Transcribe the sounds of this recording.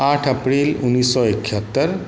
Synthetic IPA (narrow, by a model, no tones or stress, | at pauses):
aːʈʰəpɾiːlunːisːɔekʰət̪ːəɾ